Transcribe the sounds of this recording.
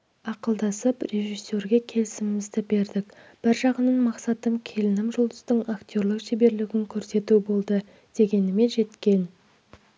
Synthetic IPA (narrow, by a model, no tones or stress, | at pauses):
ɑqəlˠd̪ɑsəpre̞ʒisːe̞ɾɡʲe̞kʲʰe̞lɪsɪmɪmɪzd̪ɪbe̞ɾd̪ɪk | b̥ɪɾʒɑʁənənmɑqsɑt̪əmkʲʰe̞lɪnɪmʒʊlˠd̪əst̪əɴakt̪ʲo̞ɾlˠəqʃebe̞ɾlɪɡʲɪŋkʲʰɵɾse̞t̪ubo̞lˠd̪ə | d̪̥e̞ɡʲe̞nɪme̞nʒe̞t̪kʲe̞n